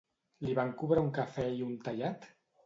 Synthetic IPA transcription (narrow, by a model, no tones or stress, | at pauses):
liβaŋkuβɾauŋkafɛiunt̪aʎat̪